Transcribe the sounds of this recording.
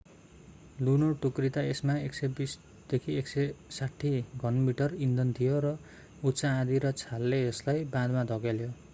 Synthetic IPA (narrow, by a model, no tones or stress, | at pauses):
lunoʈukrit̪aesmaeksebis | d̪̥ekʰieksesaʈʰːiɡʱʌnmiʈʌrind̪ʌnt̪ʰijoɾʌ | utsãːd̪iɾʌt͡sʰalːeːslajbãd̪mad̪ʱʌɡaljo